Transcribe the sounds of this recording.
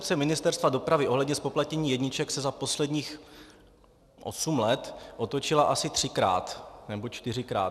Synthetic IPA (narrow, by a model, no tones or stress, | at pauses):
pt͡sɛmɪnɪst̪ɛɾst̪vado̞pɾavɪʔo̞ɦlɛdɲɛspo̞plat̪ɲɛɲiːjɛdɲɪt͡ʃɛksɛzapo̞slɛdɲiːx | ʔo̰sumlɛt̪ʔo̞t̪ot͡ʃɪlaʔasɪt̪r̥ɪkɾa̰ːt̪nɛbo̞t͡ʃt̪ɪrɪkɾa̰ː